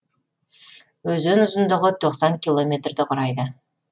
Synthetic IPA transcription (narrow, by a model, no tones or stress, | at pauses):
wɵzɪnʊzənd̪əʁət̪ʰo̞qsɑŋkʲilˠo̞mʲe̞t̪rd̪ɪqʰʊɾɑjd̪ə